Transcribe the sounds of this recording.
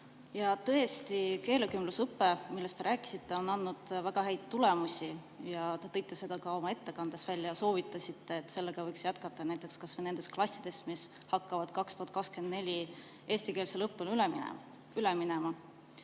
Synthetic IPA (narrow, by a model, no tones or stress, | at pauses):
jɑt̪ɤ̞est̪ike̞ːlekymlusɤpːe̞milːest̪e̞ɾæːkːˑi̥sit̪ːe̞o̞nɑnːud̪̥væɡ̥ɑɦæjd̪̥t̪ːule̞musʲi | jɑt̪et̪e̞jt̪ːˑese̞d̪̥ɑkɑo̞mɑe̞t̪ːe̞kɑnd̪̥e̞svælʲːjɑso̞ːvit̪ːˑɑsʲit̪ːe̞ːt̪ːˑse̞lːeɡ̥ɑvɤjksjæt̪̚kɑt̪ːˑɑnæjt̪ːˑe̞kskɑsvene̞nd̪̥esklɑsʲːid̪̥e̞smis | hɑkːɑvɑd̪̥̚kɑkst̪uhɑt̪kɑkske̞nd̥̪ne̞lʲi | e̞ːsʲt̪ike̞ːlselɤpːulyl̰ | yleminemɑ